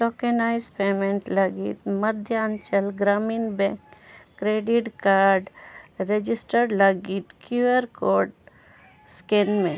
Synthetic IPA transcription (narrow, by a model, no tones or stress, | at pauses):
ʈoːkenaːɪzpeːmẽɳʈlɐɡḭt̪məd̪ʱjnt͡ʃəlɡɾaːmiːnbɛ̃kː | ɾeːɖiʈkaːɾɾɖɾed͡ʒisʈəɾɖləɡit̪kjuəɾkoːɖ | skenmẽ